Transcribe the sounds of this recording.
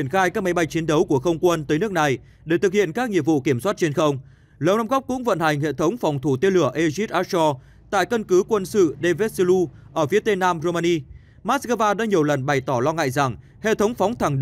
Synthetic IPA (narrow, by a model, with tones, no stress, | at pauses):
ənxaː˧jkaː˦˥k̚m˨˦jɓa˧jt͡ɕi˨˦ənɗə˨˦wku˧˩əxə˧wŋ͡mkwə˧nt̪əː˨˦jnɨ˦˥ək̚na˨˩j | ɗe˧˩t̪ɨ˨˩k̚hḭ˧˨ənkaː˦˥k̚ŋɲḭ˧˨əmvṵ˧˨ki˧˩əmswaː˦˥t̚t͡ɕe˧nxə˧wŋ͡m | ləː˨˩wnaː˧mɣɔ˦˥k͡p̚kʊ̰˧˥ŋ͡mvə̰˧˨nha˨˩jŋ̟hḛ˧˨t̪ʰə˨˦wŋ͡mfɔ˨˩wŋ͡mt̪ʰu˧˩t̪e˧nlɨ˧˩əʔe˧zi˦˥t̚ʔaː˦˥sɔ˧ | t̪a̰ː˧˨jkə˧nkɨ˨˦kwə˧nsɨ̰˧˨ɗe˧ve˦˥t̚slu˧ | ʔəː˧˩fi˨˦ət̪e˧naː˧mzo˧maː˧ni˧ | maː˦˥t̚skəː˧vaː˧ɗa̰ː˧˥ɲi˨˩əwlə˨˩nɓa˨˩jt̪ɔ˧˩lɔ˧ŋa̰ː˧˨jza˨˩ŋ | hḛ˧˨t̪ʰə˨˦wŋ͡mfɔ˨˦wŋ͡mt̪ʰa˨˩ŋɗ